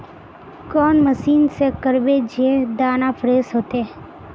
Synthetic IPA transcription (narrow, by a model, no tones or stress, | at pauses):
kɔːnməsiːnsekəɾbed͡ʒied̪aːnapʰɾeːsɦoːt̪e